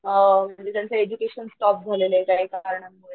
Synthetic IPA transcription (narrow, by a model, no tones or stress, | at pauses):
m̤aɳd͡ʑit̪jant͡seed͡ʑukeɕənsʈɔp̚d͡zʱalelekaɦiːkaɾɳemuɭe